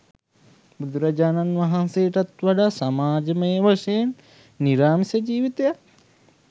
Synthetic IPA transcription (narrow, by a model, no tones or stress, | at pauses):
bud̪uɾad͡ʒaːnanʋaɦansejʈat̪ʋaɖasamaːd͡ʒəməjəʋəʂenː | iɾaːmisəd͡ʒiːʋit̪eja